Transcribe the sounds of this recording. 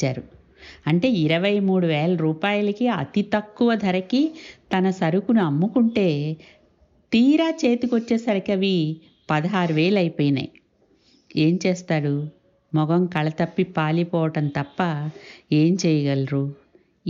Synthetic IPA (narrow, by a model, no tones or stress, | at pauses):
aːɾu | ɐɳʈe̞ːiɾɐʋɐjmuːɽuʋeːlɐɾuːpaːjɐlɐkiɐ̰t̪it̪ɐkːuʋɐd̪ʱɐɾɐkit̪ɐnɐsɐɾukunuɐmːukuɳʈe̞ː | t̪iːɾaːt͡ʃe̞ːt̪ikot͡ʃːeːsɐɾɐkɐʋi | pɐd̪ɐɦaːɾuʋe̞ːlɐjpoːjinɐ̰j | e̞ːmt͡ʃeːst̪aːɽu | mɔɡɐmkɐɭɐt̪ɐpːipaːlipɔːʋɐʈɐnt̪ɐpːɐe̞ːmt͡ʃɛːjɐɡɐlɾu